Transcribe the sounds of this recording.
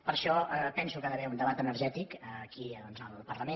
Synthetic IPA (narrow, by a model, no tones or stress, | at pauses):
pəɾʃɔəpɛnsukaðəβɛund̪əβat̪ənəɾʒɛt̪ikəːkiðɔnzəlˠpərləme